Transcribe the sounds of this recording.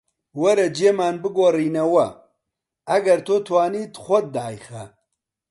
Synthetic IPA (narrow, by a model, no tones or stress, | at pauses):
wɐɾɐd͡ʒeːmaːnbɨɡoːriːnɐwɐ | ɐɡɐɾt̪ʰot̪ʰwaːniːt̪xʷɐd̪̚ːaːjxɐ